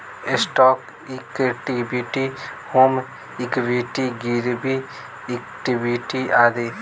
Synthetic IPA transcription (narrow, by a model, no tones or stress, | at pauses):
esʈɔːk | ikʈibiʈihoːm | ɪkbiʈiɡiɾbi | ekʈibiʈiaːd̪eː